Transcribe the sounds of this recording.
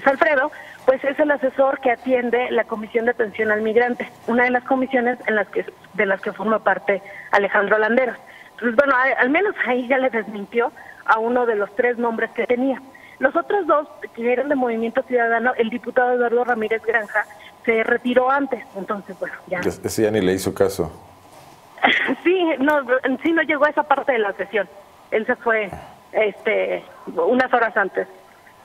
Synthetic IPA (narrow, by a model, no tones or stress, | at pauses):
salfɾe̞ðo̞ | pwe̞se̞se̞lase̞so̞ɾke̞at̪je̞nd̪e̞lako̞misjond̪at̪e̞nsjo̞nalmiɣɾant̪e̞ | unaðe̞lasko̞misjo̞ne̞zenlaske | ðe̞laske̞fo̞ɾmapaɾt̪ea̰le̞xand̪ɾoland̪e̞ɾo | t̪onsezbwe̞no̞aalmẽ̞no̞saiʝale̞ðe̞zmĩnt̪jo̞auno̞ð̞e̞lo̞st̪ɾe̞znõ̞mbɾe̞ske̞t̪e̞nia | lo̞so̞t̪ɾo̞zðo̞skeeɾand̪emo̞β̞imje̞nt̪osjuðað̞ano̞ʔe̞ld̪iput̪aðoaðwaɾðo̞ramiɾe̞zɣɾaŋxase̞re̞t̪iɾo̞ant̪e̞sent̪o̞nse̞zbwe̞noʝaeseseʝanileisokaso̰ | sinosino̞ʝe̞ɣoe̞sapaɾt̪e̞ðe̞lasesjo̞n | e̞lsefwe̞ | est̪e̞unaso̞ɾasant̪e̞s